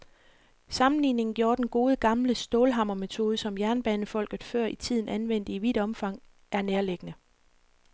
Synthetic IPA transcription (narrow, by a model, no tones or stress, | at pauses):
sɑ̈mn̩liːne̝ŋn̩ɡ̥jo̝ːɐd̥enɡ̥o̝ːð̞ˠəɡ̥ɑ̈mləsd̥oːlɦɑ̈m̰ɐme̝t͡sʰo̝ːð̞ˠəsɒ̽mjæɐnb̥ɛːnəfɒ̽l̰ɡ̥ð̩ˠfɶɐ̰it͡sʰið̞̰ˠn̩ænʋen̰d̥iʋid̥ɒ̽mfɑ̈ŋ̰ | æɐneːɐleɡ̥ənə